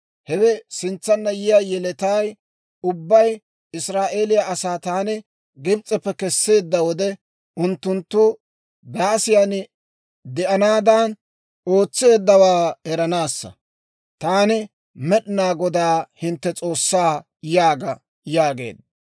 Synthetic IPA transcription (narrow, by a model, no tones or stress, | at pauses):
hɛwɛsɪnt͡sːɐnːɐjɪjaːjɛlɛt̪aːj | ʊbːɐj | ɪsɾaːʔe̞ːlɪjaʔɐsaːt̪aːnɪ | ɡɪbt͡sʼːɛpːɛkɛsːe̞ːd̪ːɐwɔd̪ɛ | ʔʊnt̪ːʊnt̪ːʊ | d̪aːsɪjaːn | d̪ɛʔɐnaːd̪an | o̞ːt͡sːe̞ːd̪ːɐwaːhɛɾɐnaːsːɐ̰ | t̪aːnɪ | mɛɗɪnaːɡɔd̪aːhɪnt̪ːɛt͡sʼo̞ːsːaː | jaːɡɐ | jaːɡe̞̰ːd̪ːɐ